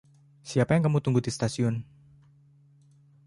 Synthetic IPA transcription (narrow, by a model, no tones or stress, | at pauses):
siapajaŋkamut̪uŋɡud̪ist̪asiʊn